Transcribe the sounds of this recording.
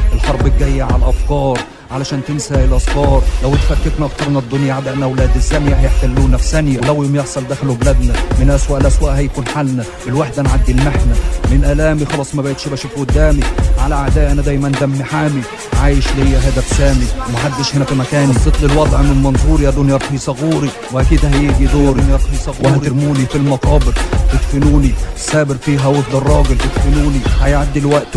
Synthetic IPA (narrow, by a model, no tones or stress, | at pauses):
ʔɪlħɑɾˤbɪɡæjːaʕalʔæfkɑːɾˤ | ʕalæʃæːnt̪ɪnsæʔelʔɑskɑːɾˤlæwɪt̪fæɾkːeknæʔɑkt̪ˤɑɾˤmnæd̪ːʊnjaʕad̪æʔnʔæwlæːd̪ɪzːæmjæhæjeħt̪ælːuːnæfisænjæwlæwjomjeħsˤɑld̪æːxælubelæd̪næmɪnʔæswæːʔlʔæswæːʔhæjkuːnħalnæ | elwaħd̪ænʕad̪ːilmaħnæmɪnʔælæːmixɑlɑːsˤmæbæʔet̪ʃibæʃifʔod̪ːæːmiʕalæʕaʕd̪æːʔænæd̪æːjmænd̪æmːiħaːmi | ʕaːjɪʃlihejːæɦæːd̪æfsæːmiwmæħad̪ːɪʃhenæfimækæːniset̪ˤlɪlwɑd̪ˤʕmɪnmɑnzuːɾijæd̪uːnjɑɾˤqhisˤɑɣuːɾi | wʔækiːd̪hæjeʔɡid̪oːɾnjɑɾˤq̪hisˤɑɣuːɾeɾmuːnifilmɑq̪ɑːbɪɾt̪ɪt̪fɪnuːnisæːbɪɾfiːɦæwot̪ˤd̪erˤːɑːɡelt̪ɪt̪fɪnuːnihæjʕad̪ːilwæʔt̪